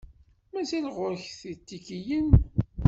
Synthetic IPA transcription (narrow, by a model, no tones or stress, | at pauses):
mæzilʁʊɾçθit̪ːikijən